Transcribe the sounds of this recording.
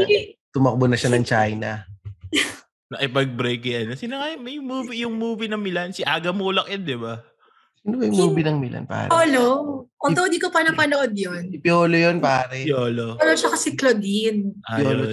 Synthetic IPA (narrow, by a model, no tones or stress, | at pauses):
t̪ʊmɐk̚bonɐʃanɐŋt͡ʃajnɐ | nɐʔɪpɐɡ̚bɾɛjkɪjɐnosinoŋɐjmɐjʊŋmuːvijʊŋmuːvinɐŋmɪlansɪʔaːɡɐmuːlɐk̚jɐnd̪ɪba | siːnobɐjmuːbinɐŋmɪlʔa̰npa̰ːɾoloʔot̪ood̪ikopɐnɐŋpɐnoʔod̪̚jonɪpɪoːlojonpaːɾɛoːlooloʃɐkɐsɛklod̪ɪnpɪoːlo